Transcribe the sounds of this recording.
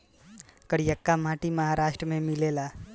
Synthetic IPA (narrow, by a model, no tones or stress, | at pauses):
kəɾijəkːamaːʈimɐɦaɾaːʃʈɾəmẽmɪleːlaː